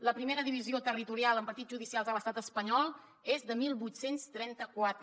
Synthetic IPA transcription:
ləpɾimeɾəðiβ̞iziot̪ərit̪uɾialˠəmpəɾt̪id͡zʒuðisialˠzələst̪at̪əspəɲɔlˠ | ezðəmilˠβut̪senst̪ɾɛnt̪əkwat̪ɾə

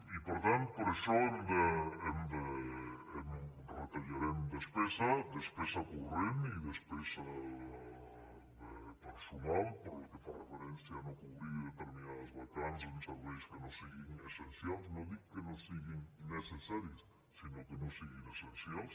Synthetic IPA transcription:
ipoɾt̪ant̪poɾeʃɔemd̪eemd̪eem | ret̪aʎaɾemd̪espesɐd̪espesakuremiðespesa | d̪et̪asumampoɾlokefarefeɾensjanokuβɾiðet̪eɾminaðazβakansensaβejskenõsiɣiŋesensjalsnoðiɣkenosiɣiŋnesesaɾjes | sinokenõsiɣiŋesensjals

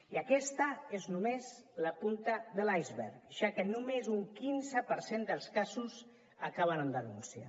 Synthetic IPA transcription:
iəkɛst̪əeznumezləpunt̪əðəlajzβɛ̰ɾʒ̥akənumezuŋkinzəpəɾsend̪əlˠskazuz | əkaβ̞ənənd̪ənunsia̰

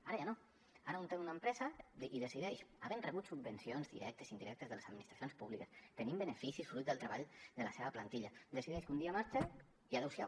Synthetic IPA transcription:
aɾəjano | aɾəunt̪emunampɾɛzad̪iðəsiðɛʃaβenrəβut̪subbənsionzðḭɾɛk̚t̪əsind̪iɾɛk̚t̪əzðəlesad̪minist̪ɾasjonspuβlikəst̪ənimbənəfisisfɾut̪̚d̪əlˠt̪ɾəβaʎd̪əlaseβəplant̪iʎad̪əsiðɛʃkund̪iamaɾt͡ʃe | iaðewsja̰

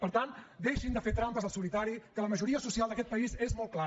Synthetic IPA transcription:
pəɾt̪and̪eʃind̪əfeɾt̪ɾampəzəlˠsulit̪aɾikələməʒuɾiəsusialˠd̪əkɛt̪̚pəizezmɔlˠt̪̚kla

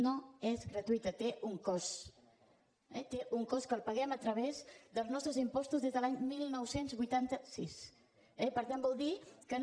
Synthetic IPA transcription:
noezɣɾət̪uit̪ət̪euŋkɔs | ɛt̪eʔuŋkɔskəlˠpəɣɛmət̪ɾəβ̞ezd̪əlˠznɔst̪ɾəzimpɔst̪uzðezðəlaɲmilˠnɔwsenzβujt̪ant̪əsis | ɛpəɾt̪ambɔlˠd̪ikən

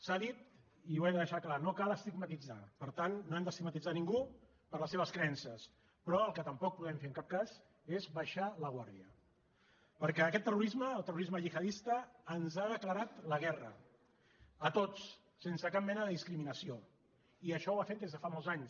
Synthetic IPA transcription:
saðit̪ | iwɛðəðəʃaklanokaləst̪iɡmət̪id͡za̰pəɾt̪annoɛmd̪əst̪iɡ̚mət̪id͡zaniŋɡu | pəɾləseβ̞əskɾəɛnsəs | pɾɔəlˠkət̪əmpɔk̚puðɛmfeəŋkap̚kaz | ezβəʃaləɣ̞waɾðiə | pəɾkɛːkɛt̪ːəruɾizməːlˠt̪əruɾizməʒixəðist̪əːnzaðəkləɾat̪ləɣ̞ɛrə̰ | ət̪ot͡s | sensəkap̚mɛnəðəðiskɾiminəsio | iəʃɔwafet̪̚d̪ezðəfamolˠzaɲs

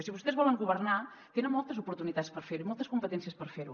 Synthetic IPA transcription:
siβust̪ɛzβɔləŋɡuβərna | t̪enəmɔlˠt̪əzupuɾt̪unit̪at̪spəɾfeɾuimɔlˠt̪əskumpət̪ɛnsiəspəɾfeɾu

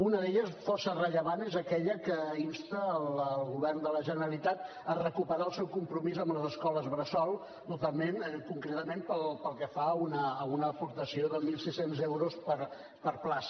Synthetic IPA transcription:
unəðeʎəsfɔrsərəʎəβanezəkɛʎəkəinst̪əːləlˠɣuβɛrnd̪ələʒənəɾəlit̪at̪ | ərəkupəɾaəlˠsɛwkumpɾumizəmləzəskɔləzβɾəsɔlˠ | t̪ut̪alˠmenkuŋkɾet̪əmempəlpəlˠkɛfaunəːunəːpuɾt̪əsioðəmilˠsisenzewɾospəɾ | pəɾplas

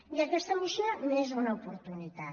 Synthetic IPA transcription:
jɐkɛst̪ɐmuʃinɐmezunɐupuɾt̪unit̪a

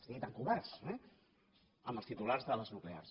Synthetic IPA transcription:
st̪iɣit̪aŋkuβɛɾsɛ | əmbəlst̪it̪ularzðələznuklea̰rs

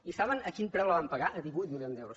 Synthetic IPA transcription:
isaβənəkinpɾɛwlˠəβampəɣaʔəðiβujt̪miliond̪ɛwɾus

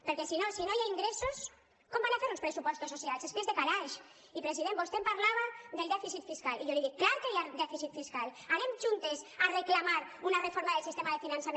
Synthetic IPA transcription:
peɾkɛsinosinojaiŋɡɾesos | kɔmbanafeɾunspɾesupɔst̪ososialzðespɾezðekaðaʃ | ipɾesiðembust̪empaɾlaβ̞aðelˠd̪ɛfisit̪fiskaliʎoðiɣeklaɾkejad̪ɛfisit̪fiskalaɾemʒunt̪esareklamaɾunarefoɾmaðelsist̪emaðefinansame

